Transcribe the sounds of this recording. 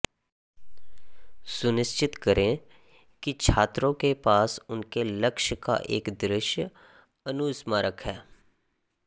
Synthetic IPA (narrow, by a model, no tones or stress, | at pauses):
sʊnɪst͡ʃɪt̪kəɾẽ | kit͡ʃʰaːt̪ɾõkepaːsʊnkeləkʃka̰ʔḛːkd̪ɾɪʃj | ɐnuːsmaɾəkʰɦɛː